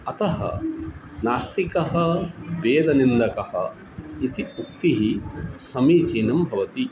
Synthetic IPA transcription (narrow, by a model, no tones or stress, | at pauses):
ɐt̪ɐɦɐ̰ | naːst̪ikɐɦɐbeːd̪ɐnind̪ɐkɐhɐ̰ | it̪iuk̚t̪iɦisɐmiːt͡ʃiːnɐmbʱɐʋɐt̪i